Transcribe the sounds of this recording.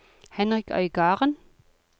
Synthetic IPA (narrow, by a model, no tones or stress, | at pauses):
hɛnʁɪkœ̰ʏɡɑːʁən